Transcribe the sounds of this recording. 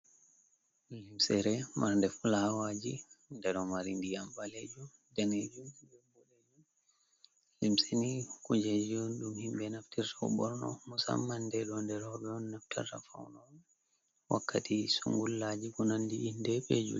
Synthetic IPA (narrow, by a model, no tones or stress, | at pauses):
limsɛɾɛmaɾndɛfulaawad͡ʒindɛɗɔmaɾindijambaled͡ʒum | dɛned͡ʒumd͡ʒɛmbuled͡ʒum | limsinikud͡ʒed͡ʒuɗumhimbɛnaftiɾtʰawbɔɾnɔ̰musa̰mːandɛɗɔndɛɾɔɗɔnːaftʰa̰ra̰fa̰wnɔ | wʔakːatʰisṵŋɡulːad͡ʒikunandiʔːndɛped͡ʒṵ